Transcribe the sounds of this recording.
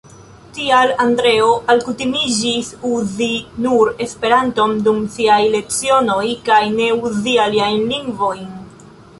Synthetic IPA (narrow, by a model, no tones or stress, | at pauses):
tialandɾe̞o̞ʔalkutimid͡ʒisuzinuɾe̞spe̞ɾanto̞mdumsiajle̞kt͡sio̞no̞jkajne̞uzialiajnliŋɡvo̞jn